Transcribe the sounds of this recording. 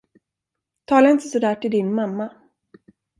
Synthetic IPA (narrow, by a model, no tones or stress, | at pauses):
t̪ʰɑːlaɾɪnt̪əsɔd̪æːʈʰɪld̪ɪnmamːa